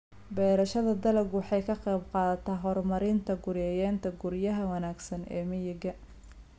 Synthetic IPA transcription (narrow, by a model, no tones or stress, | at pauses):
bɛːɾɐʃɐðɐd̪ɐlɐɡwɑħɑjkʰɐqɑjbqɑːðɐt̪ʰaːɦɔrmɐɾɪnt̪ʰɐɡʊɾjɛːjɛːnt̪ʰɐɡʊɾjɐɦɐwɑnaːɡsɐnɛ̰ːmɪjɪɡɐ